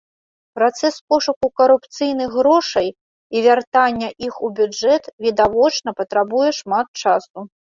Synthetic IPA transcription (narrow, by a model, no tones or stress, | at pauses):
pɾat̪sɛspɔʂukukɐɾupt̪sɨjnɨxɣɾɔʂɐj | ivʲart̪anʲːɐʔixubʲud͡ʐɛt̪vʲid̪avɔt͡ʂnɐpɐt̪ɾabujɛʂmat̪̚t͡ʂasu